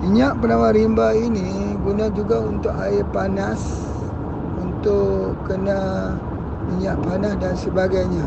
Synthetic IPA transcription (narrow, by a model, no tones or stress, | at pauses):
miɲaʔpənawaɾimbainiɡunad͡ʒuɡaunt̪ʊʔaɪpanas | unt̪ʊkːəna | miɲaʔpanasdansəbaɡajɲa